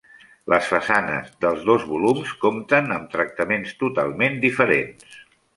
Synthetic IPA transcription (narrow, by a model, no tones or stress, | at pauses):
lʔəsfəsanə̰zðəlˠzðozβulumskomt̪ənəmt̪ɾək̚t̪əmenst̪ut̪a̰lˠmend̪ifəɾḛns